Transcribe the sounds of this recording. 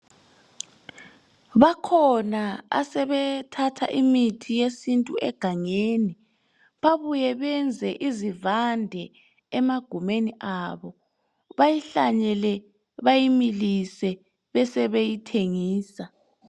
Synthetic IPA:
βakʰɔnaa̰sɛβɛtʰatʰa̰ʔimitʰijesintʼuɛɡ̥ʱaŋeːni | βaβujɛβɛnd͡zʱɛʔizivandʱɛ | ɛmaɡ̥ʱumeniʔaβɔ | βajiɬa̰ɲɛlɛ | βajimilisɛ | βɛsɛβejitʰeŋiːsa

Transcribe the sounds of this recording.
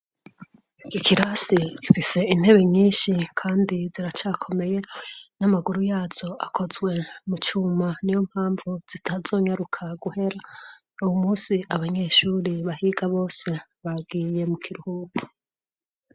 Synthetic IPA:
kikʰiɾasiɡifise̞in̥he̞βe̞ɲiːnʃikʰaːndiziɾat͡ʃaːkʰo̞me̞je̞namaɡuɾujaːz̥o̞akʰo̞zwe̞mut͡ʃuːmanijom̥haːɱvuz̥itʰazo̞ːɲaɾukʰaɡuhe̞ɾa | uwumuːsiʔaβaɲe̞ːʃuːɾiβahiːɡaβo̞ːse̞ | βabɡiːje̞mukʰiɾuhuɡu

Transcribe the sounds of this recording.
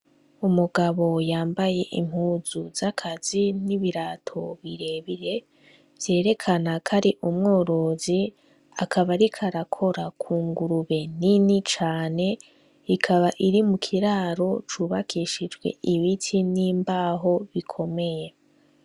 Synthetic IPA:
umuɡaβo̞jaːmbaje̞ʔḭm̥huːzuzakʰaz̥iniβiɾaːtʰo̞βiɾe̞βiɾe̞ | vje̞ːɾe̞kʰanakʰaɾiʔumŋo̞ːɾo̞ːzi | akʰaβaɾikʰaɾakʰo̞ɾakʰuːŋɡuɾuβe̞ninit͡ʃaːne̞ | ikʰaβaʔiɾimukʰiɾaːɾo̞t͡ʃuβakʰiʃid͡ʒɡwe̞̰ʔiβitʰiniːmbaːɦo̞βikʰo̞me̞je̞

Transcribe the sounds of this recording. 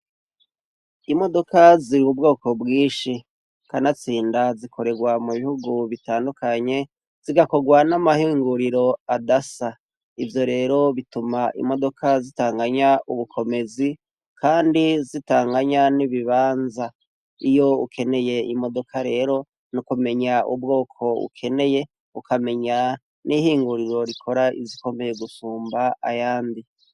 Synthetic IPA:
imo̞do̞kaziɾiub̚ɡo̞ːko̞bɡiːʃi | kanat͡siːndazikʰo̞ɾe̞ɡwamuβihuɡuβitaːndukaɲe̞ | z̥iɡako̞ɡwanamahiːŋɡuɾiɾo̞adasa | ivjo̞ɾe̞ːɾo̞βitumaʔḭmo̞do̞kʰazitaːŋɡaɲaʔuβukʰo̞me̞zi | kʰaːndizitaːŋɡaɲaniβiβaːnza | ijo̞ukʰe̞ne̞je̞imo̞do̞kʰaɾe̞ːɾo̞ | nukume̞ɲaṵb̚ɡo̞ːkʰo̞ṵkʰe̞ne̞je̞ | ukame̞ɲa | nʔihiːŋɡuɾiɾo̞ɾikʰo̞ɾaḭziko̞me̞je̞ɡusuːmbaa̰jaːndi

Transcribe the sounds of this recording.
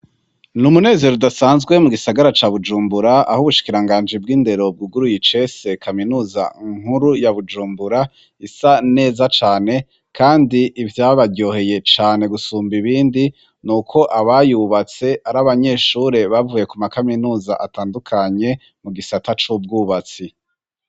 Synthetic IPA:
numune̞ːze̞ɾodasaːnzɡwe̞muɡisaɡaɾat͡ʃaːβud͡ʒuːmbuɾaa̰huβuʃi̥kiɾaŋɡaːnd͡ʒibɡiːnde̞ɾo̞b̚ɡuɡuɾujit͡ʃe̞se̞kʰaminuːza̰ŋ̥huɾujaβud͡ʒuːmbuɾa | isane̞ːzat͡ʃaːne̞ | kʰaːndiʔivjaːβajo̞ːhe̞je̞t͡ʃaːne̞ɡusuːmbiβiːndi | nukʰo̞ʔaβajuβat͡se̞ʔaɾaβaɲe̞ʃuɾe̞βavuje̞kumakaminuːza̰ʔataːndukʰaɲe̞ | muɡisatat͡ʃub̚ɡuβat͡si

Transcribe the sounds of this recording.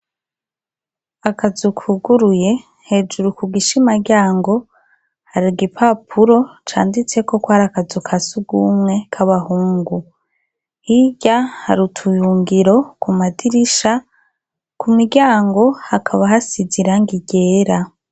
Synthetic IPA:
akʰazukʰuɡuɾuje̞ | he̞ːd͡ʒuɾukuɡiʃimaɟaːŋɡo̞ | haɾiɡipʰapʰuɾo̞t͡ʃa̰ːndit͡se̞ko̞kwhaɾakazukʰasuɡumŋe̞kʰaβahuːŋɡu | hiɟaha̰ɾutʰujuːŋɡiɾo̞kumadiɾiʃa | kʰumiɾɡɟaːŋɡo̞hakʰaβaɦasiziɾaŋɡiɟe̞ːɾa

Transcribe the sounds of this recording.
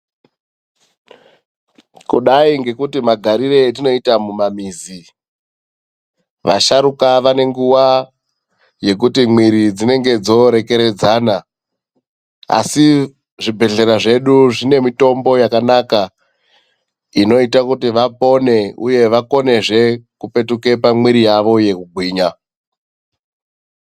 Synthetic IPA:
kuɗaiŋɡe̞kutimaɡʱaɾire̞tino̞itamumamiːzi | ʋa̰ʃaɾukaʋane̞ŋɡuwa | je̞k̬utimwiɾid͡zine̞ŋɡe̞d͡zo̞ɾe̞ke̞ɾe̞d͡zaːna | a̰si | ʐibʱe̞ɮe̞ɾaʐe̞ɗuʐine̞mito̞mbo̞jakanaka | ino̞itakutiʋapo̞ne̞ṵje̞ʋako̞ne̞ʐe̞kupe̞tuke̞pamwiɾijaʋo̞je̞kuɡʱwiːɲa

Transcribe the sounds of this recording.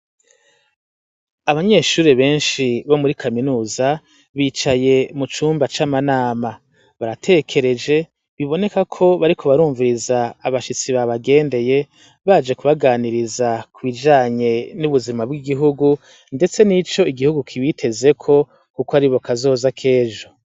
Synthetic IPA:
aβaɲe̞ːʃuːɾeβe̞ːnʃiβo̞muɾikʰaminuːza | βiːt͡ʃaje̞mut͡ʃuːmbat͡ʃamanaːma | βaɾatʰe̞kʰe̞ɾe̞d͡ʒe̞ | βiβo̞ne̞kakʰo̞βaɾikʰo̞βaɾuːɱviɾizaːβaʃit͡siβaβaɡe̞ːnde̞je̞ | βad͡ʒe̞kuβaɡaːniɾizakʰuβid͡ʒaːɲe̞nuβuzimabɡiɡiɦuɡu | nde̞t͡se̞nit͡ʃo̞iɡihuɡukʰiβitʰe̞ze̞kʰo̞ | kukoaɾiβo̞kʰazo̞ːzakʰe̞ːʒo̞

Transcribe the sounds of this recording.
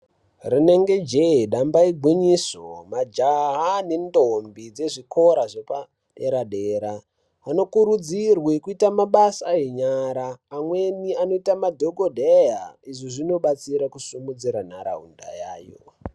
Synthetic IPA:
rine̞ŋɡe̞d͡ʒeiɗambaiɡwiɲisomad͡ʒaɦanendombid͡ze̞ʐikʰo̞ɾaʐopa | ɗe̞ɾaɗeɾaː | no̞kuɾud͡zirwekuitamaɓasaɦeɲaɾaːmweniano̞itamadʱoɡodʱejaiʐiʐino̞ɓat͡siɾakusumud͡ziɾan̤aɾa̰ɦṵnda̰jaːjo̰

